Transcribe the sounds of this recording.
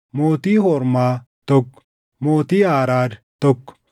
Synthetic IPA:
moːt̪iːɦoɾmaː | t̪ok | moːt̪iːaːɾaːɾ | t̪ok

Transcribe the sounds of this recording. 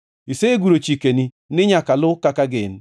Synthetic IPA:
iseɡʷuɾot͡ʃikeni | nɪɲakalʊkakaɡɪn̩

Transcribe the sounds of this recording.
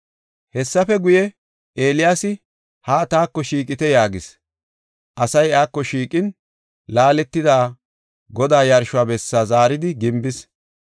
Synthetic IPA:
hɛsːɐfɛɡʊjɛ | ʔe̞ːlɪjaːsɪ | haːt̪aːkːɔʃiːk̬ʼɪt̪ɛjaːɡɪs | ʔɐsɐjaːkːɔʃiːkʼɪn | laːlɛt̪ːɪd̪aː | ɡɔd̪aːjɐɾʃʊaːbɛsːaːzaːɾɪd̪ɪɡɪmbɪs

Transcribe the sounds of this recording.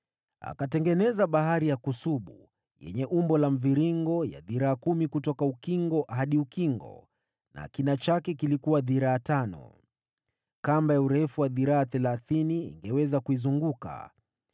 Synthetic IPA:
a̰katɛŋɡɛnɛzaɓaɦaɾijakusuɓu | jɛ̰ɲɛʔumbɔlam̩viɾiŋɡɔja̰ðiɾaːkumikutɔkaukiŋɡɔʔɦaɗiukiŋɡɔ̰ | na̰kinat͡ʃakɛkilikuwaðiɾaːtanɔ̰ | kambajauɾɛfuwaðiɾaːθɛlaθiniḭŋɡɛwɛzakuizuŋɡuka̰

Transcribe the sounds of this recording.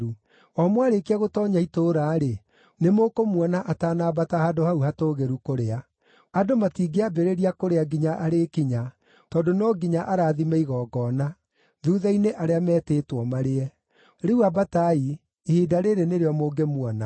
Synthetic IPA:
ɾu | ɔmwaɾekiaɣotɔːɲaitoɾaːɾe | nemokomwɔnaʔataːnaːbatahadohauhatoːɣeɾukoɾea | adomatiːɡeabeɾeɾiakoɾeaɡiɲaʔaɾekiɲa | tɔːdonɔɡiɲaʔaɾaːðimeiɣɔːɡɔːna | ðuːðaineʔaɾeamɛːteːtwɔmaɾeɛ | ɾeuabatai | ehiːdaɾeɾeneɾeɔmoːɡemwɔna

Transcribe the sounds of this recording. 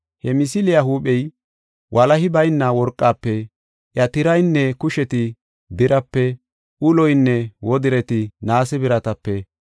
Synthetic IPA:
hɛmɪs̬ɪlɪjaɦuːɓɛj | wʔɐlɐɦɪbɐjnːɐwɔɾkʼːaːpːɛ | ʔjɐt̪ɪɾɐjnːɛkʊʃɛt̪ɪ | d̪ɪɾɐpːɛ | ʔʊlɔjnːɛwɔd̪ɪɾɛt̪ɪnaːsɛbɪɾɐt̪ɐpːɛ

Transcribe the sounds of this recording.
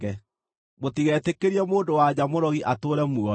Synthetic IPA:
ɛ | motiɣɛtekeɾjɛmoːndowaɲamoɾɔɣiʔatoɾɛmuɔ

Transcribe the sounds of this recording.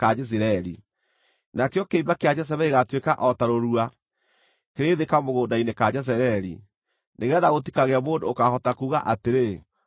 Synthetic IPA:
kad͡ʒɛs̬iɾaɾḭ | nakejɔkeimbakead͡ʑɛs̬ɛβɛiɣatwekaʔɔtaɾoɾua | keɾeːðekamoɣoːndainekad͡ʑɛs̬ɛɾɛɾḭ | neɣɛːðaɣot̬ikaɣeamoːndoːkahɔtakuːɣaʔateɾe

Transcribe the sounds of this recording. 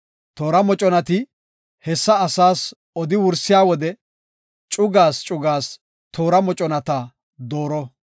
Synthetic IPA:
t̪o̞ːɾɐmɔt͡ʃʼɔnɐt̪ɪ | hɛsːɐːsaːs | ɔd̪ɪwʊɾsɪjaːwɔd̪ɛ | t͡ʃʼʊɡaːst͡ʃʼʊɡaːs | t̪ʰo̞ːɾɐmɔt͡ʃʼɔnɐt̪a | d̪oːɾɔ

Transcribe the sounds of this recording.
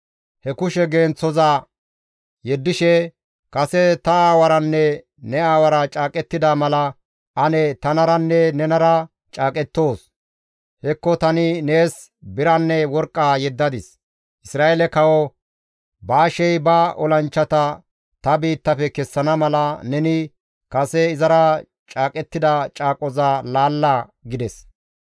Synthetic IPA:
hɛkʊʃɛɡeːnt͡sːɔza | jɛd̪ːɪʃɛ | kɐsɛt̪ɐaːwɐɾɐnːɛ | nɛaːwɐɾɐt͡ʃʼaːkʼɛt̪ːɪd̪amɐlɐ | ʔɐnɛt̪ɐnɐɾɐnːɛnɛnɐɾɐ | t͡ʃʼaːkʼɛt̪ːo̞ːs | hɛkːɔt̪ɐnɪne̞ːs | bɪɾɐnːɛwɔɾkʼːaːjɛd̪ːɐd̪ɪs | ʔɪsɾaːʔelɛkɐwɔ | baːʃɛjbɐʔɔlɐnt͡ʃːɐt̪ɐ | t̪ɐbiːt̪ːɐfɛkɛsːɐnɐmɐlɐnɛnɪ | kɐsɛɪzɐɾɐ | t͡ʃʼaːkʼɛt̪ːɪd̪ɐt͡ʃʼaːkʼɔzalaːlːaɡɪd̪ɛs

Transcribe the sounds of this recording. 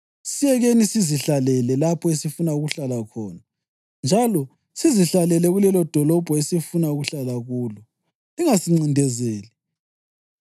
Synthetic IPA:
sijɛɣenisiziɬalɛlɛlapʰɔesifunauɣuɬalakʰɔ̰ːna | nd͡ʒʱalɔ | siziɬalɛlɛɣulɛlɔd̥ʱɔlɔb̥ʱɔesifunauɣuɬalaɣuːlɔ | iŋasiŋ͡ǀindʱɛzeːli

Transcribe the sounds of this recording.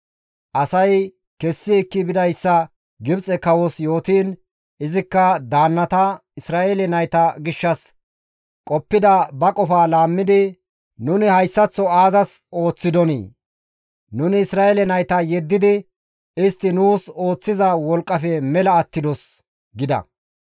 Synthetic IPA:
ʔɐsɐj | kɛsːɪɛkːɪbɪd̪ɐjsːɐ | ɡɪbt͡sʼɛkɐwosjo̞ːt̪iːn | ɪzɪkːɐd̪aːnːɐt̪ɐɪsɾaːʔelɛnɐjt̪ɐɡɪʃːɐs | kʼɔpːɪd̪ɐbɐkʼɔfaːlaːmːɪd̪ɪ | nʊnɪhɐjsːɐt͡sːɔaːzɐso̞ːt͡sːɪd̪ɔnḭː | nʊnɪːsɾaːelɛnɐjt̪ɐjɛd̪ːɪd̪ɪ | ɪst̪ːɪnuːso̞ːt͡sːɪzɐwɔlkʼːɐfɛmɛlɐːt̪ːɪd̪ɔs | ɡɪd̪ɐ̰

